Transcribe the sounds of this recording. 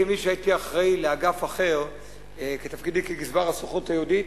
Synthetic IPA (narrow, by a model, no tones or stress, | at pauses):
imiʃeait̪iaχʁaileaɡafaχe̞ʁ | ket̪afkid̪ikeɡizbaʁasuχot̪ajeud̪it̪